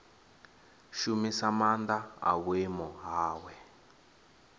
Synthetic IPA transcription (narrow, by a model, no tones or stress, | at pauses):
ʃumisamand̪aa̰wemɔɦaːwɛ